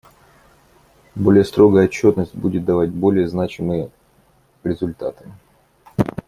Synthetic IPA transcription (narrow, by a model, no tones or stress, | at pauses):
bo̞lʲɪjəst̪ɾo̞ɡəjəɐt͡ɕːo̞t̪nəsʲtʲbudʲɪt̪̚d̪ɐvat̚ʲbo̞lʲɪjəznat͡ɕɪmɨjə | ɾʲɪzʊlʲt̪at̪ɨ̥